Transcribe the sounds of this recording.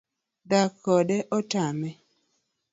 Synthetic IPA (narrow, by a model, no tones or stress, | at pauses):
dakːɔdɛʔɔtamɛ